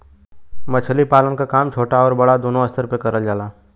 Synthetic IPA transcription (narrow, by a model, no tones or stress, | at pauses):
mət͡ʃʰəlipaːlənkakaːmt͡ʃʰoːʈaɔːɾbɐɽad̪oːnoɐst̪ʰəɾpekɐɾəld͡ʒaːlaː